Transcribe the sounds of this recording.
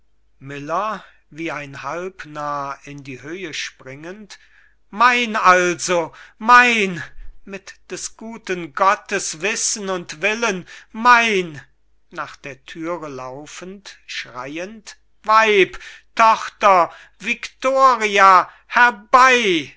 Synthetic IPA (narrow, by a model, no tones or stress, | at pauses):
mɪlɐ | viːaɪnhalpnaːɪndiːhøːəʃpʁ̥ɪŋənt | maɪnalzomaɪnmɪtd̥ɛsɡ̥uːtənɡɔtəsv̥ɪsn̩ʊntv̥ɪlənmaɪn | naːχd̥eːɐtʰyːʁəlaʊfəntʃʁ̥a̰ɪənt | vaɪptʰɔχtɐ | vɪktoːʁia | hɛɐbaɪ